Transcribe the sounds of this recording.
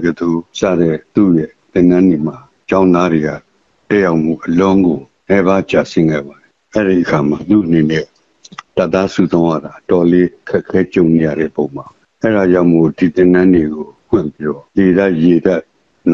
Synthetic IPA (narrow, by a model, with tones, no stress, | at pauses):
ɡə˨d̪u˦˨sa̰˦˨ɾɛ˦˨t̪ṵ˦˨jɛ˦˨t̪ɪ̃˨nã˦nde˨m̥a˨ | t͡ɕã˦ʊ̃nd̪a˦ɾe˨ɡa̰˨ | tɛ˦ʔja˦ʊʔm̥ṵ˦˨ʔəlʊ̃˦ŋɡo˨ | nɛ˦βa˦t͡ɕa˨sɪ̃˦ŋɡɛ̰˦˨ba˨di˨ʔɛ˦ɹi˦˨ʔəkʰa˨ma˨t̪ṵ˦˨ʔəne˨nɛ˦ | ta˦˨ʔt̪ːa˦su˨zʰã˦ʊ̃ja̰˦˨da˨ʔətɔ˨le˦əkʰɛ˦ʔkʰːɛ˦t͡ɕõ˨ʊ̃ne˨ja̰˦˨ɾɛ̰˦˨po˨ʊ̃ma˨bʔɛ˦˨ɾa˨d͡ʑã˦ʊ̃mo˦˨d̥i˨t̪ɪ̃˨nã˦nde˨ɡo˨pʰwɪ̰̃˦˨mpi˦ɾɔ˦˨je˨ɾa˦ʔje˨da˦ʔ | n